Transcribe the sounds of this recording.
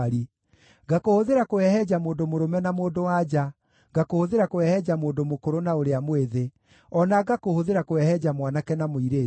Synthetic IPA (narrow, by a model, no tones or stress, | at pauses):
ɾi | ɡakohoðeɾakoɛhɛd͡ʑamoːndomoɾomɛnamoːndowad͡ʑa | ɡakohoðeɾakowɛhɛd͡ʑamoːndomokoɾonaoɾeamoeðe | ɔnaɡakohoðeɾakowɛhɛd͡ʑamwanakɛnamoiɾeː